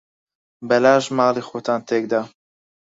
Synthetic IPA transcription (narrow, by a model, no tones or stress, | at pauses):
bɛlaːʒmaːlixot̪ʰaːnt̪ʰek̚d̪a